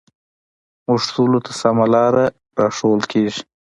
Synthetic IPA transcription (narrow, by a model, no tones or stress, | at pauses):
mʊʂt̪ulot̪ʰasamalɑːɾa | ɾɑʂolkʰeːʐi̥